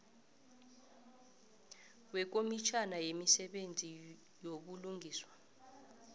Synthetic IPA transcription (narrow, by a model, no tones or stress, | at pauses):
wɛk̬omit͡ʃʰanajemisɛɓend͡zʱi | joɓuluŋɡʱiːswa